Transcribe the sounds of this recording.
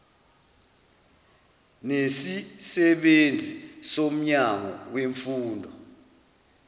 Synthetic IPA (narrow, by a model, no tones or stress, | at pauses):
nesisɛɓend͡zʱisom̩ɲaŋɔweɱfuːndʱɔ